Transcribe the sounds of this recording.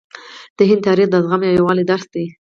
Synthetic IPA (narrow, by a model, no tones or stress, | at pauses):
d̪̥əɦɪnd̪ʰɑɾixd̪azɣamjɑwjawɑlid̪aɾsd̪e